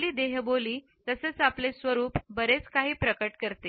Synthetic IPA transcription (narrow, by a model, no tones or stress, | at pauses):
liːd̪eɦboliː | t̪əset͡saplesʋəɾuːpbəɾet͡skaɦiːpɾəkəʈkəɾt̪e